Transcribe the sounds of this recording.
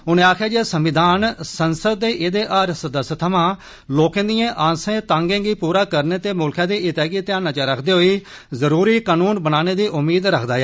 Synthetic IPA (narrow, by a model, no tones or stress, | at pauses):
ʊnẽːaːkʰjaːd͡ʒesəmʋɪd̪aːnsənsəd̪̚ːeːʔɪd̪eːʔaːɾsəd̪əst̪ʰəmãː | loːkẽːd̪ijãːʔãːsẽːt̪ãːŋɡẽːɡiːpuːɾaːkəɾneːt̪eːmʊlkʰãːd̪iːʔɪt̪ɛːɡiːt̪ɪãːnaːt͡ʃaɾəkʰd̪eːɦoiː | zəɾuːɾiːkaːnuːnbənaːneːd̪iːʔʊmːiːd̪ɾəkʰd̪aːjɛː